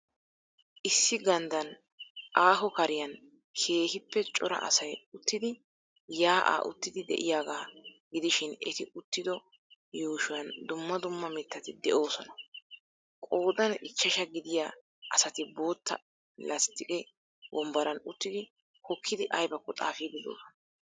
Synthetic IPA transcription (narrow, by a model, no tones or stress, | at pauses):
ʔɪsːɪɡɐnd̪ɐn | ʔaːɦɔkɐɾɪjɐn | kʰe̞ːhɪpːɛt͡ʃʼɔɾɐ̰ʔɐ̰sɐjʊt̪ːɪd̪ɪ | jaːʔa̰ːʔʊ̰t̪ːɪd̪ɪd̪ɛ̰ʔɪjaːɡaːɡɪd̪ɪʃɪnɛt̪ɪʊt̪ːɪd̪ɔ | joːʃʊwɐnd̪ʊmːɐd̪ʊmːɐmɛt̪ːɐt̪ɪd̪ɛʔo̞ːsɔnɐ | kʼo̞ːd̪ɐnɪt͡ʃːɐʃɐɡɪd̪ɪja | ɐsɐt̪ɪbo̞ːt̪ːɐ̰ | lɐst̪ɪkʼɛ | wɔmbɐɾɐnʊt̪ːɪd̪ɪ | kɔkʰːɪd̪ɪʔɐjbɐkːɔt̪ʼa̰ːfid̪ɪd̪o̰ːsɔnɐ